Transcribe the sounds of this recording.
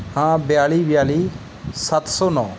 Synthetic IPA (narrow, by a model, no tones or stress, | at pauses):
hãːbɪjaːliːbɪjaːliː | sət̪sɔːnɔ̃ː